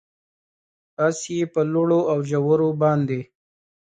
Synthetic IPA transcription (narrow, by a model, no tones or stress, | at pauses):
t̪ɑsjepəloɽoawʒawəɾobɑnd̪e